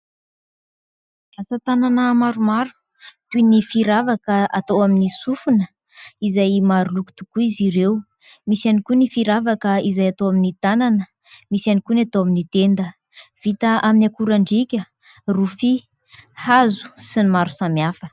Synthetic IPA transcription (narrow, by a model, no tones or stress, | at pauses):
asat̪ananəmaɾumaɾu̥ | t̪unifiɾavakəat̪owaminisufunə | izajmaɾuluku̥t̪u̥kuiziɾew | misanikunifiɾavakəizajat̪owaminit̪ananə | misanikunat̪owaminit̪end̪ə | v̥it̪əʔaminʲakuɾaɳɖ͡ʐikʲə | rufi | hazu̥sinimaɾu̥samiafə̥